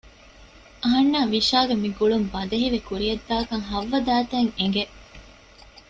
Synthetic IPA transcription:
ɐɦɐnːaːʋiʃaːɡemiɡuɭumbɐd̪ɐɦiʋekuɾijɐd̪ːaːkɐŋɦɐʋːɐd̪æːt̪eŋeŋɡe

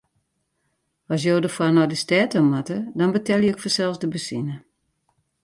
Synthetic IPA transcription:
ɔs̬joːdəfwanɔdəstɛtəmatədɔnbətʰɛlˠjəɪkfɔsɛlˠsdəbəsinə

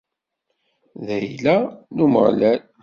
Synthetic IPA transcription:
ðæjlænumə̰ʁlæl

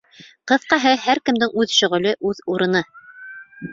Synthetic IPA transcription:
qɤ̆θqɑɦɤhæɾkɘ̆md̪ɘŋʔʉðʃɵ̆ʁɵ̆lɘʔʉðuɾɤ̆nɤ

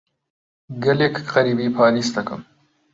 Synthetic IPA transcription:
ɡɐleːkqɐɾiːbiːpʰaːɾiːsd̪ɐkɨ̰m

